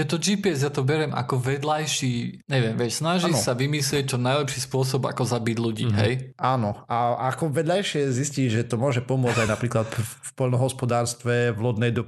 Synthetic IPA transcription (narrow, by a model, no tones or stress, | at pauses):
jɛt̪ɔd͡ʒiːpiɛzjat̪ɔbɛɾɛmʔa̰kɔʋɛd̪lajʃiːɲɛʋɪɛmʋɛsnaʒisaʋimislɪɛc̚t͡ʃɔnajlɛpʃiːspʊɔsɔba̰kɔzabiɟluɟḭːɦɛ̰jaːnɔʔaakɔʋɛd̪lajʃɪɛzisciɟʒɛt̪ɔmʊɔʒɛpɔmʊɔd͡zajnapɾiːklat̪fpɔʎnɔɦɔspɔd̪aːɾst̪ʋɛvlɔd̪nɛjd̪ɔ